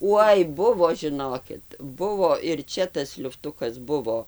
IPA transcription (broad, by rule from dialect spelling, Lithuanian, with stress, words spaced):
ˈuɔj ˈbʊʋoː ʒʲɪˈnoːkʲɪt ˈbʊʋoː ɪr ˈt͡ʃʲɛ tɐs lʲʊfˈtʊkɐs ˈbʊʋoː